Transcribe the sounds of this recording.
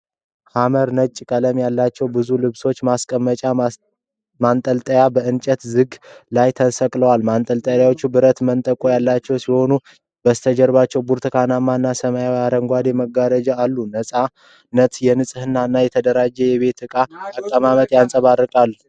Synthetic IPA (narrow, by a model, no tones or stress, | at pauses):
haməɾnət͡ʃʼkʼələmjalːat͡ʃːɛwbɨzulɨβso̞t͡ʃːmaskʼəmːət͡ʃʼa | mant̪ʼəlt̪ʼəjabəʔɨnt͡ʃʼət̪zɨɡlajt̪ʰəsəkʼləwalmant̪ʼəlt̪ʼəjjawot͡ʃːubɨɾət̪mənt̪ʼəkʼojalːat͡ʃːɛwsiho̞nu | b̥əst̪ʰəd͡ʒɛɾbat͡ʃːɛwbuɾt̪ʰɨkʰanamːaɨnːasəmajawiaɾəŋɡʷad̪jɛməɡaɾəd͡ʒaalːunəsʼa | nːət̪jɛnɨsʼɨhɨnːaɨnːajɛt̪ʰəd̪əɾad͡ʒːɛjɛβe̞t̪ɨkʼaːkʼːəmamət̪jansʼəβarːɨkʼalː